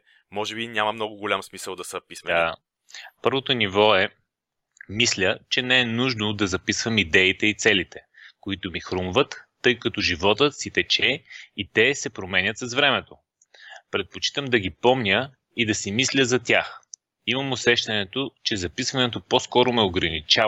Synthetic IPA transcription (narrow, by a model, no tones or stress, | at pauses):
mɔʒɛbinʲamɐmnɔɡʊɡʊlʲamsmisəlˠd̪ɐsɐpisa | pɤɾvot̪onivɔɛ | mislʲət͡ʃɛnɛɛnuʒnʊd̪ɐzɐpisvəmid̪ɛit̪ɛit̪sɛlit̪ɛ | koit̪ʊmixɾumvət̪ːɤjkɐt̪ɔʒivɔt̪ət̪sit̪ɛt͡ʃɛit̪ɛsɛpɾomɛnʲət̪sɐzvɾɛmɛt̪o | pɾɛt̪̚pot͡ʃi̥t̪əmd̪ɐɡipɔmnʲə | id̪ɐsimislʲəzɐt̪ʲjax | iməmosɛʃt̪ɐnɛt̪ot͡ʃɛzɐpisvɐnɛt̪opɔskɔɾʊmɛoɡɾɐnit͡ʃa